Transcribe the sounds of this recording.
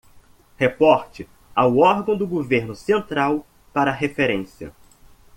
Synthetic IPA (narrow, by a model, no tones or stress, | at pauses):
hepɔɾt͡ʃɪ | awɔɾɡɐ̃w̃d̪ʊɡoveɾnʊsẽnt̪ɾaw | paɾɐɦefeɾẽsiɐ̰